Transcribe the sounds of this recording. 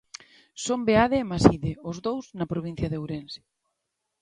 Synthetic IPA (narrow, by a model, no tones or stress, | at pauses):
sombeaðeːmasiðeʊzðowznɐpɾoβin̟θjɐðeowɾense̥